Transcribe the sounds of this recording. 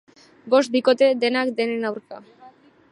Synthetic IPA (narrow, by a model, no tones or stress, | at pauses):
bo̞st̪̚biko̞t̪e̞d̪e̞nakd̪e̞nenawɾka